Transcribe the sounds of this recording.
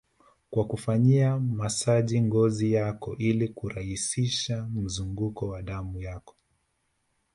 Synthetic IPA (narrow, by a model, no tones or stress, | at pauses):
kwakufaɲiamasaʄiŋɡɔzijakɔʔilikuɾahisiʃam̩zuŋɡukɔwaɗamujakɔ̥